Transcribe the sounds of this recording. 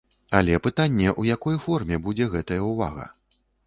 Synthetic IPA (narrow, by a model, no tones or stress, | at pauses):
alʲɛpɨt̪anʲːɛʔujakɔjfɔrmʲɛbud͡zʲɛɣɛt̪ɐjɐuva̰ɣɐ̰